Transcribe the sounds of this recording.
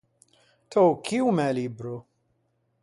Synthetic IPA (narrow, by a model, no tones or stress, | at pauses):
t̪ʰɔwkʰiwmɛlibɾu